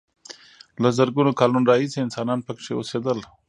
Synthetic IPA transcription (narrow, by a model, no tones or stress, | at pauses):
lazəɾɡunokɑlunɾɑɦiseɪnsɑnɑnpəkʂeo̰sed̪əl